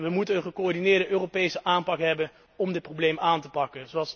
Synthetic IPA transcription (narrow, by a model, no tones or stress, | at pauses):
ʋəmutənənχəkoɔɹdinɪːɹdəʔøːropejsəʔaːmpɑkɦɛbən | ɔmdɪt̚prowblejmaːntəpɑkənzoɑlˠs